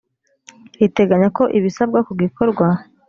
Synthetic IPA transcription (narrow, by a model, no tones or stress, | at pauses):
ite̞ɡaɲako̞ʔiβisabɡakuɡikʰo̞ɾɡwa